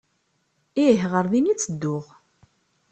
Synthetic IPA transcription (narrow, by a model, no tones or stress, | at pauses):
ɪɦʁəɾðinit͡sːəd̪ːʊʁ